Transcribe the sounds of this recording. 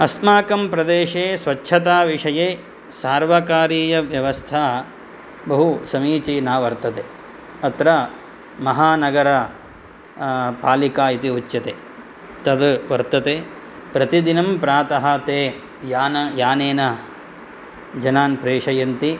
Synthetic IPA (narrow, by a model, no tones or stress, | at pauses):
ɐsmaːkɐmpɾɐd̪eːʂeːsʋɐtːʃʰɐt̪aːʋiʂɐjeː | saːɾʋɐkaːɾiːjɐʋjɐʋɐst̪ʰaː | bɐɦusɐmiːt͡ʃiːnaːʋɐɾt̪ɐt̪eː | ɐt̪ɾɐ | mɐɦaːnɐɡɐɾɐ | paːlikaːit̪iut͡ʃːjɐt̪eː | t̪ɐd̪ʋɐɾt̪ɐt̪eː | pɾɐt̪id̪inɐmpɾaːt̪ɐɦɐt̪eː | jaːnɐjaːneːnɐ | d͡ʒɐnaːnpɾeːʂɐjɐnt̪i